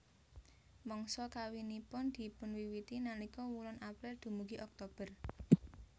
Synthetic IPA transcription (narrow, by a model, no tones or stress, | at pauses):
mɔŋsɔkawinipʊnd̪̥i̤pʊnwiwit̪inalikɔwulɔnapɾɛrd̪̥ṳmuɡiʔɔk̚t̪ob̥ər